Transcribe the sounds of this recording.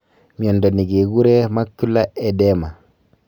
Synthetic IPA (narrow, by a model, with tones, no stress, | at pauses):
mi˨o˨ndo˨ni˨ɡe˨ɡu˦ɾe˦ma˦kːu˦lːa˦e˨de˦ma˨